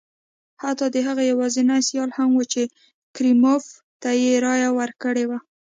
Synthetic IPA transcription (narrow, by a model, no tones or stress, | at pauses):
hat̪ɑd̪əɦaɣajawɑzɪnajsjɑlhamwət͡ʃe | kɾimof | t̪ajeɾɑjawəɾkəɽewa